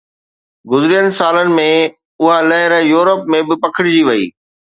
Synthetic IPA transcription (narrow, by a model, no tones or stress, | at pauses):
ɡʊzɪɾijənɪ̆saːlənɪ̆mẽ | ʊɦalɐɦɪɾjuːɾəpmẽbɪpɐkʰɪɽ̃ɪd͡ʑiʋɐḭː